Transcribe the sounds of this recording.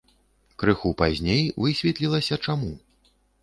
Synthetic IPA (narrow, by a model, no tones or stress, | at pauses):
kɾɨxupazʲnʲejvɨsʲvʲɛt̪lʲilˠɐsʲɐt͡ʂamu